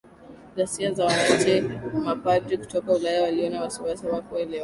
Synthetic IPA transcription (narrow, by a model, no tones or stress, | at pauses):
zasiazawaŋatɛmapatɾiku̥tɔkaulajawaliɔnawasiwasiawakɔaɛlɛwa